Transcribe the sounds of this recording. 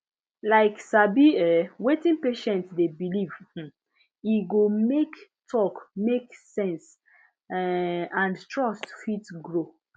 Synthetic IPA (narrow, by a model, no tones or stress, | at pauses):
laɪksabiɛwetĩnpeʃɛ̃ntdebiliv̩ | iɡomektʰɔkmeksɛ̃ns | ãndtɹɔstfitɡɹo